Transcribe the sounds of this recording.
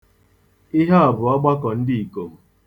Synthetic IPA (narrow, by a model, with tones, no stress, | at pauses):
ɪ˦ɦa˦a˨bʊ˨ɔ˦ɡ͡ba˦kɔ˨n̩˦dɪ˦i˨ko˨m̩˨